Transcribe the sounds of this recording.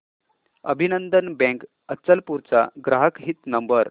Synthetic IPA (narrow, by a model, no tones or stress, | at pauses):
əbʱinənd̪ənbɛ̃k | ətːt͡səlpuɾt͡sa̰ɡɾaɦəkɦit̪nəmbəɾ